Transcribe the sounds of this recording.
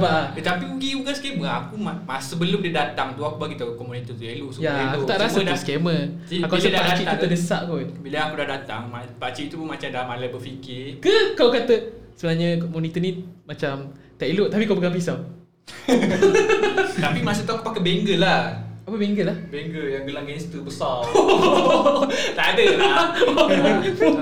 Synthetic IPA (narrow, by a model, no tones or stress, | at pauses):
baʔat̪apiuɡiuɡaskɛməakumamasəbəlʊmdədat̪aŋt̪uakubaɡit̪əkɔmunit̪ət̪uailuʔsujaakut̪aʔɾasad̪askemə | akuasadapadat͡ʃiʔ̪ut̪ədəsaʔkubilaakudahdat̪a̰ŋmapat͡ʃiʔt̪upunmat͡ʃamdamalabəfikɪkəkawkat̪əsəbənaɲəkɔmɔnit̪ənĩmat͡ʃam | t̪aʔiloʔt̪apikawbəɡãŋpisaw | t̪apimasət̪aapakəbeŋɡəlahapəbeŋɡəlahbeŋɡəjaŋɡəlaŋɡast̪əbəsa | t̪adəl